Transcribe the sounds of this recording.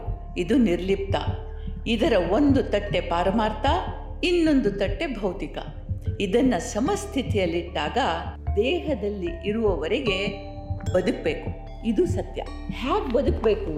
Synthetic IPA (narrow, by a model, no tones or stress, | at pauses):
id̪uniɾlip̚t̪ɐ̰ | id̪ɐɾɐo̞nd̪ut̪ɐʈːe̞paːɾɐmaːɾt̪ʰɐ | inːo̞nd̪ut̪ɐʈːe̞bʱɐwt̪ikɐ̰ | id̪ɐnːɐsɐmɐst̪ʰit̪ʰijɐlːiɖ̪ːaːɡɐd̪ɛːɦɐd̪ɐlːiʔiɾuʋɐʋɐɾeɡe̞ | bɐd̪uk̚beːku | id̪usɐt̪jɐ̰ | haːɡbɐd̪ukbeːku